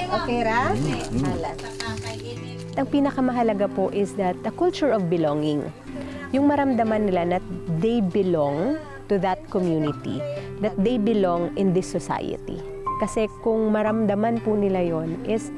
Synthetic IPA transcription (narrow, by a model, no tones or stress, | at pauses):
ʔokeɾa | la | ɐt̪ɐŋpiːnɐkɐmɐɦɐlɐɡapoʔɪsd̪ɐt̪̚d̪ɐkʊlt͡ʃʊɹɔvbɪloŋɪŋ | jʊŋmɐɾɐmd̪ɐmanːɪlanɐt̪̚d̪ejbɪloŋ | t̪ʊðɐt̪̚kɔmjuːnɪt̪ḭ | d̪ɐt̪̚d̪ejbɪloŋɪnd̪ɪsːɔsa̰jɐ̰t̪ḭ | kɐsɛkʊŋmɐɾɐmd̪ɐmanpʊnɪlajonʔɪs